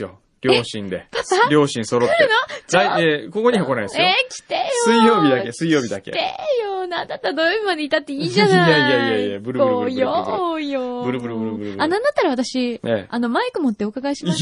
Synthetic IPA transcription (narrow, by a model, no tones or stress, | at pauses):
jo̰ | ɾʲoːɕĩnd̪e̞papaɾʲo̞ːɕĩɰ̃so̞ɾot̪ɾeɯnoaieko̞ko̞ɲ̟ihokonaid̪esekʲi̥t̪ejosɨijo̞ːbʲid̪ake̞sɨijo̞ːbʲid̪akḛt̪ejonãnd̪at̪ːaɾd̪ojoːbʲimad̪eit̪at̪ːe̞iːd͡ʑanajajaiaiebɯɾɯkoɾɯjojobɯ̟ɾɯbɯ̟ɾɯbɯɾɯɯ̟ɾɯanãnd̪at̪ːaɾaβat̪aɕieano̞maikɯ̟mo̞t̪ːeokaɡaiɕim